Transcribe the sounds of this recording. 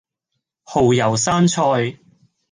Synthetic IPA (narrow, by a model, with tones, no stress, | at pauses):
ho˨˩wjɐ˨˩wsaː˥nt͡sʰɔː˧j